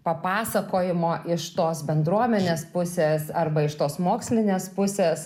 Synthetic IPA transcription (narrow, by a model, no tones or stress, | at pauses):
pɐpɑːsɐkoːjɪmoːʔɪʃt̪oːsbʲɛnd̪ɾuɔmʲɛnʲeːspʊsʲeːsɐrbɐɪʃt̪oːsmoːksʲlʲɪnʲeːspʊsʲeːs